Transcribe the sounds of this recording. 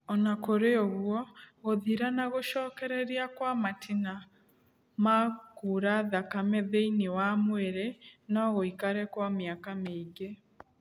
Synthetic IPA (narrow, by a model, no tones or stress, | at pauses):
ɔnakoɾeoɣwɔɣoðiɾanaɣoʃɔkɛɾɛɾiakwamatʰina | makuɾaðakamɛðeiniwamweɾɛnaɣoikaɾɛkwameakameiɡe